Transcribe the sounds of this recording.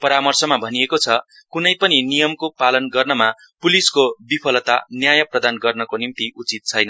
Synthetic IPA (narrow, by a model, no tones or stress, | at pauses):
pʌɾamʌrsʌmabʱʌniekot͡sʰʌ | kunʌjpʌninijʌmkopalʌnɡʌrnʌma | puliskobipʰʌlʌt̪a̰njajʌprʌd̪anɡʌrnʌkonimt̪iut͡sit̪̚t͡sʰʌjnʌ